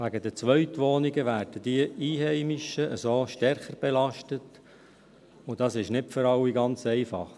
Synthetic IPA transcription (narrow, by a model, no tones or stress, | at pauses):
ʋæɡəd̪ət͡sʋœɥtʋoːnɪɡəʋæːrdəd̥iəiːhɛɪmiʃəʔə̰soːʃtɛrχəɾb̥ɛlɑʃtət | ʊd̥ɑsɪʃnɪtfʏɾɑwiɡɑnt͡sɛɪfɑ̰χ